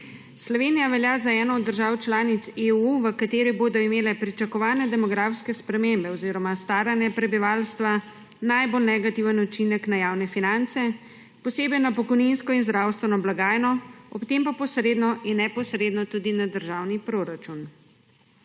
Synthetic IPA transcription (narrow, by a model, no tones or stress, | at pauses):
slɔʋeːnijaʋɛljaːzaɛːnɔːd̪ːəɾʒaːwt͡ʃlaːnit̪seuʋəkat̪eːɾiboːd̪ɔimeːlɛpɾit͡ʃakɔʋaːnɛd̪ɛmɔɡɾafskɛspɾɛmembɛɔziːɾɔmast̪aːɾanjɛpɾɛbiʋaːlst̪ʋa | najbolnɛɡat̪iwʋənut͡ʃinɛknajawnɛfinant̪sɛ | pɔseːbɛjnapɔkɔjninskɔinzd̪ɾawst̪ʋɛnɔblaɡaːjnɔɔpt̪empapɔsɾeːd̪nɔʔinːɛpɔsɾeːd̪nɔt̪uːd̪inad̪əɾʒawnipɾoɾat͡ʃun